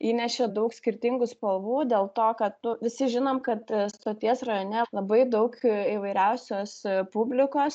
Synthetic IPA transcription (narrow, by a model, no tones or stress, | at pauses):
iːnʲɛʃʲed̪ɐʊksʲkʲɪɾʲt̪ʲɪŋɡʊspɐlˠʋuːd̪ʲeːlˠt̪oːkɐt̪nʊʋʲɪsʲɪʒʲɪnoːmkɐt̪st̪oːt̪ʲiɛsrɐjoːnʲɛlˠɐbɐɪd̪ɐʊkiːʋɐɪɾʲɛʊsʲoːspʊbʲlʲɪkoːs